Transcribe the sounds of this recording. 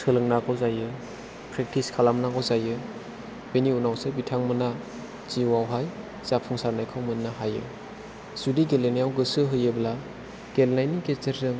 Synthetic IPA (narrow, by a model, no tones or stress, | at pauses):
sɯlɯŋnaɡɔwzajɯ | pʰɾek̚tʰiskʰalamnaɡɔzajɯ | beniunawsɯbitʰaŋmɯna | t͡ʃiwawɦaj | z̥apʰuŋsaɾnajkʰɯwmɯnːaɦajɯ̰ | sudiɡelenijawɡɯsɯɦɯjɯbla | ɡ̥elnajniket͡ʃeɾzɯŋ